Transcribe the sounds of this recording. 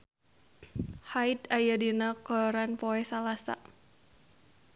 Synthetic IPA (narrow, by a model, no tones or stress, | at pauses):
hait̪ajadinakɔɔɾanpɔɛsalasa̰